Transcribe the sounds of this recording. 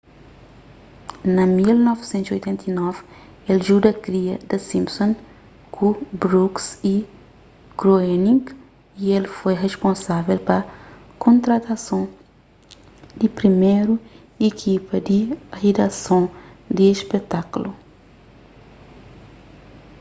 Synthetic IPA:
nɐmilnɔvsẽnt̪ziojt̪ẽnt̪inɔv | elʒud̪ɐkɾiɐd̪ɐsĩmpsõn | kʰubɾuksi | kɾoenĩŋk | ielfojʁeʃpõnsavelpɐ | kʰõnt̪ɾɐt̪ɐsõ | d̪ipɾimeɾu | ekʰipɐd̪iʁed̪asõd̪iespet̪aklu

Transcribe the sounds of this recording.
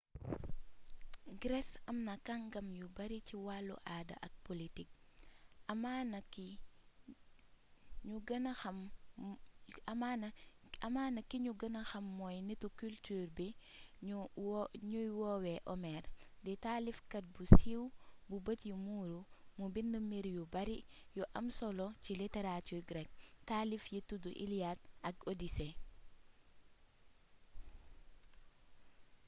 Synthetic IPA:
ɡɾɛsɐmnɐkaŋɡɐmjubɐɾiciwalːṵʔaːdɐ̰ʔɐk̚politik̚ | ɐmanɐki | ɲuɡɐnɐxɐm | ɐman | ɐmaːnɐkiɲuɡɐnɐxɐmːɔjnitukyltyːrbi | ɲujwɔwɛʔomɛɾdɛtalifkɐt̚busiwbubətjumuːɾumubinːəmiɾjubɐɾijuʔɐmsolociliteɾatuɡɾɛk̚talifjituduʔḭliad̚ɐɡodise

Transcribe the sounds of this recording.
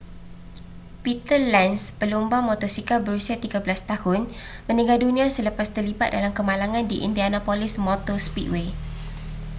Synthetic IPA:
pit̪əlɛnspəlumbaŋmot̪ɔsikabəɾusiat̪iɡabəlast̪ahʊn | mə̃niɡaldunĩasələpast̪ərlibat̪̚dalamkəmãlaŋãndiʔḭndianapolɪsmot̪ospit̪we

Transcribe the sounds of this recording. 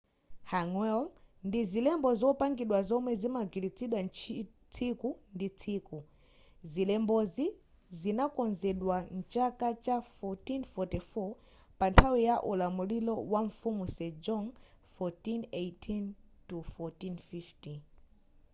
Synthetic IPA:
haŋwɛlndizilɛmbɔzɔpaŋɡiɗwazɔmwɛzimaɡilit͡sʰiɗwant͡ʃ | t͡sʰikundit͡sʰiku | zilɛmbɔzi | zinakɔnzɛɗwan̩t͡ʃakat͡ʃafɔtinfɔtifɔ | pantʰawijaʔulamulilɔwaɱfumusɛd͡ʒɔŋ | fɔtinejtʰintufɔtinfifti

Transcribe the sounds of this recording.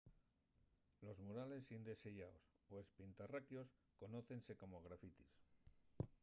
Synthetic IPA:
lo̞zmuɾale̞sind̪e̞seʝaos | oe̞spint̪arakjo̞sko̞no̞θe̞nse̞ko̞moɣ̞ɾafit̪is

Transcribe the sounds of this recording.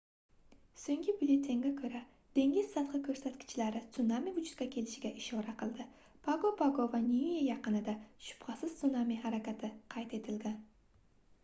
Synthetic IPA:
soŋɡʲɪbʊlʲet̪ʰːe̞ŋɡʲakʲʰɵɾa | d̪̥e̞ŋʲɪzsɑt̪qɨkʲʰɵɾsat̪kʲɪ̥t͡ʃʰɪlaɾɪt̪sʊnamivʊd͡ʒʊt̪kʲakʲʰe̞lɪʃɪɡʲaʔɪʃoɾaqʰɨlˠd̪ɪ | pʰaɡopʰaɡovanʲiijajɑqɨnɪd̪aʃʊ̥pχɑsɪz̥ʊnamihaɾakʲat̪ʰɪqʰɑjt̪e̞t̪ʰɪlɡʲan

